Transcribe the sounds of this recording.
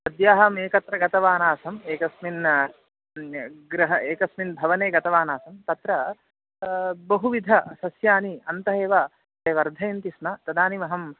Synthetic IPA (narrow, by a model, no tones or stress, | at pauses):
sɐd̪jaːɦɐmeːkɐt̪ɾɐɡɐt̪ɐʋaːnaːsɐmeːkɐsmin | ɡɾɐɦɐeːkɐsminbʱɐʋɐneːɡɐt̪ɐʋaːnaːsɐmt̪ɐt̪ɾɐ | bɐɦuʋid̪ʱɐsɐsjaːniɐnt̪ɐɦeːʋa | t̪eːʋɐɾd̪ʱɐjɐnt̪ismɐt̪ɐd̪aːnimɐɦɐm